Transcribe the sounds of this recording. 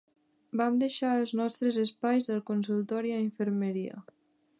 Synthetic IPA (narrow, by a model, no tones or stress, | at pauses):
bamd̪eʃaəlˠznɔst̪ɾəzəspajzðəlˠkuns̬ulˠt̪ɔɾiaiɱfəɾməɾiə̰